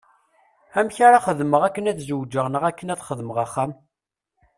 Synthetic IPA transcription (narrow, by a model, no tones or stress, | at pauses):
æmçaɾaχəðməʁækːənæθzəwd͡ʒːəʁnəʁækːənæθχəðməʁaχːæm